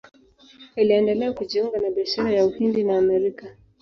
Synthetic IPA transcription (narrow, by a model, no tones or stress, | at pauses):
iliɛndɛlɛakuʄiuŋɡanaɓiaʃaɾajauhindinaːmɛɾika